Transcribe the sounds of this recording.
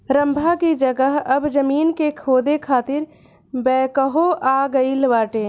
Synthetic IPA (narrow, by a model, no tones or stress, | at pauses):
ɾə̃mbʱakid͡ʒɐɡəɦɐbd͡ʒəmiːnkekʰoːd̪ekʰaːt̪ɪɾ | bɛːkəɦoʔaːɡəiləʋaːʈeː